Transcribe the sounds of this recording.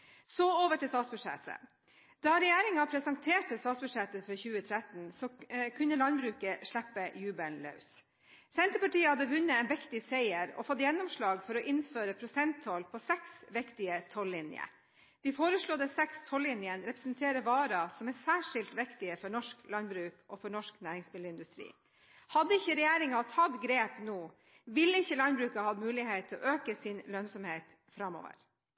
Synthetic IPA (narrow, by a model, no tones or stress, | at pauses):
sɔoːʋəʈɪst̪ɑːt̪sbʉʂɛ̰t̪ə̰ | d̪̥ɑɾɛjæːɾɪŋɑpʰɾɛsɑŋt̪ʰeːʈəst̪ɑːt̪sbʉdʂɛt̪ːəfɔɾçʉːət̪ʰɾæt̪n̩sɔkʰʉnːəlɑnbɾʉːkəʂɭæpːəjʉːbənlœ̰ʉs | sɛnt̪əpɑʈiːəhɑd̪əʋʉnːəɛːnʋɪkt̪ɪsæɪəɾɔ̰fɔt̪ːjɛnːɔmʂɭɑːɡfɔɾɔʔɪnføːɾəpʰɾʊsɛnt̪ʰɔlpʰɔsɛksʋɪkt̪ɪət̪ʰɔlːɪnjə̰ | d̪̥ɪfoːɾəʂɭɔd̪əsɛkst̪ʰɔlːɪnjənɾɛpɾəsnt̪ʰeːɾəʋɑːɾɑsɔmæsæːʂɪlt̪ʋɪkt̪ɪəfɔɳɔʂklɑnbɾʉːkʔɔfɔɳɔʂknæːɾɪŋsmɪləɪnd̪ʉst̪ɾḭː | hɑd̪ːəɪçːəɾɛjæːɾɪŋɑt̪ʰhɑt̪ɡɾeːpnoː | ʋɪlːəɪçːəlɑnbɾʉːkɑhɑd̪mʉːlɪhet̪ʰːɪlɔ̰ʔøːkəsɪnlœnsɔmheːt̪ | fɾɑmːɔ̰ːʋə̰ɾ